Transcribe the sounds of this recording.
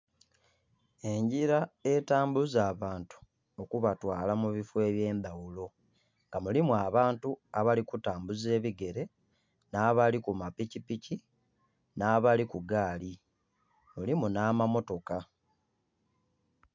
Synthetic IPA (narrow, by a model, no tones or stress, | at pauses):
e̞ɲɟiɾae̞taːmbuzaːβaːntu̥ | o̞kuβatwaːlamuβifwe̞ːβje̞ːnd̪awulo̞ | ŋɡamulimuaβaːntuaβalikutaːmbuze̞ːβiɡe̞ɾe̞ | naːβalikumapicipici | naːβalikuɡaːli | mulimunaːmamo̞to̞ka